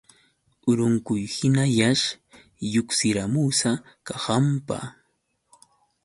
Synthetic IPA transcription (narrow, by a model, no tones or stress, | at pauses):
ʊɾʊŋkʊjhɪnajaʃ | jʊksɪɾamusa | kahampa̰